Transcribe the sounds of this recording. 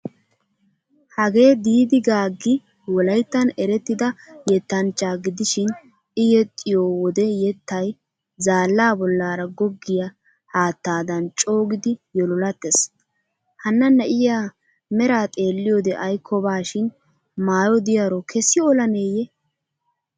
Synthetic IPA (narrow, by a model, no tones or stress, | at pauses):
hɐɡe̞ːd̪iːd̪ɪɡaːɡːɪ | wɔlɐjt̪ːɐnɛɾɛt̪ːɪd̪ɐjɛt̪ːɐnt͡ʃːaːɡɪd̪ɪʃɪn | ɪjɛt̪ʼːɪjoːwɔd̪ɛjɛt̪ːɐj | zaːlːaːbɔlːaːɾɐɡɔɡːɪjɐ | haːt̪ːaːd̪ɐnt͡ʃʼo̞ːɡɪd̪ɪjɔlɔlɐt̪ːes | hɐnːɐnːɛʔɪja | mɛɾaːt̪ʼe̞ːlːɪjod̪ɛʔɐjkʰːɔbaːʃɪn | maːjɔd̪ɪjɐɾɔkʰɛsːɪɔlɐneːjɛ